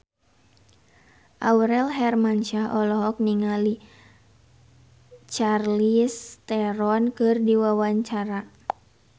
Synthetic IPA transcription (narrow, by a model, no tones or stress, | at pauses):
ʔawɾɛlɦɛrmant͡ʃaʔɔlɔɦɔk̚niŋali | t͡ʃarlist̪ɛɾɔnkɨrdiwawaɲt͡ʃaɾa